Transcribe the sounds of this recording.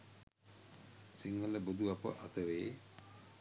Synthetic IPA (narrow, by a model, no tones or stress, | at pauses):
siŋːələbud̪uapə̰ʔat̪əʋeː